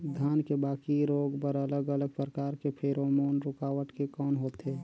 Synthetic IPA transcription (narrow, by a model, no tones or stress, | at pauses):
d̪ʱjaːnkebaːkiɾoːɡpəɾələɡələɡ̚pɾəkaːɾkepʰeɾomoːnɾʊkawəʈkekɔːnɦoːt̪ɦe